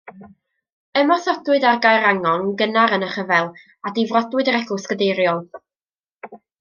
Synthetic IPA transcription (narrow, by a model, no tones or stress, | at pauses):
əmɔsɔdwɨdarɡajɾaŋɔŋɡənaɾənəχəvɛlˠ | adɪvrɔdwɨdəɾɛɡʊskədejɾjɔlˠ